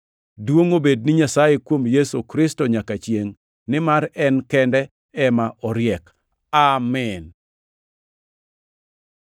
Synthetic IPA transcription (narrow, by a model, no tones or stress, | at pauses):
dwoŋobed̚nɪɲasajekwomjesokɾɪstɔɲakat͡ʃjeŋ | nɪmaɾɛnkɛndɛ | ɛmaʔɔɾɪjɛk | amɛn